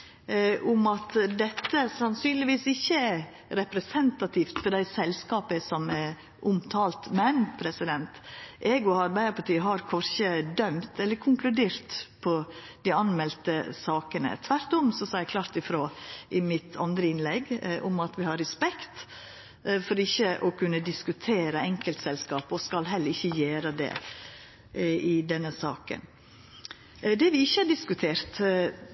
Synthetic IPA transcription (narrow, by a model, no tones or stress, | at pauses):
ʔʊmɑt̪d̪ɛt̪ːəsɑnsyːnlɪʋiːsɪçːəæɾ | ɾɛpɾɛsɛnt̪ɑt̪ʰift̪fɔɖ̪æɪsɛlskɑːpəsɔmɛ | ʔʊmt̪ʰɑːlt̪mɛnpʰɾɛsɪd̪ɛnt̪ʔɛːɡɔɑɾbæɪəɾpɑʈiːəɦɑɾkʰɔɾçəd̪œmt̪ɛlːəɾkʰʊŋklʉd̪eːɾt̪pʰɔ | d̪̥æɑnmɛlt̪əsɑːkənə̰t̪ʰʋæɾt̪ɔmsɔsɔækʰlɑɾt̪ɪfɾoːʔɪmɪt̪ʰɑ̰nd̪ɾəɪnlɛɡʔʊmɑt̪ʋɪhɑɾɛspɛkt̪ | fɔɾɪçːəʔɔkʰʉnːəd̪ɪskʉt̪ʰeːɾəɛŋkəlt̪sɛlskɑːpɔskɑlɦɛlːəɾɪçːəjeːɾəd̪ɛ̰ | ɪd̪ɛnːəsɑːkə̰n | d̪ɛʋɪɪçːəɑɖɪskʉt̪ʰeːɾt̪